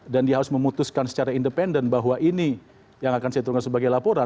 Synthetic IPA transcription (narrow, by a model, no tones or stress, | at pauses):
dandiaɦaɾʊsməmut̪uskansə̥t͡ʃaɾaindəpɛndənbaɦwaʔini | jaŋakansɛt̪ukansəbaɡajlapoɾa